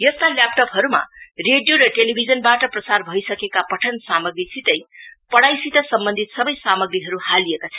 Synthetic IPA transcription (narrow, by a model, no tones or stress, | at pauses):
jʌst̪aljap̚ʈʌpɦʌɾuma̰reɖjoɾʌʈelibʱid͡zʌnbaʈʌprʌsarbʱʌjsʌkekapʌʈʰʌnsamʌɡrisit̪ʌjpʌɽajsit̪ʌsʌmbʌnd̪ʱit̪sʌbʌjsamʌɡɾiɦʌɾuhalijekat͡sʰʌn